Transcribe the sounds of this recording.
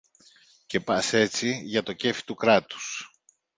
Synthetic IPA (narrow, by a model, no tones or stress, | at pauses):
ce̞pɐse̞t͡siʝɐt̪o̞ce̞fi̥t̪ukɾɐt̪u̥s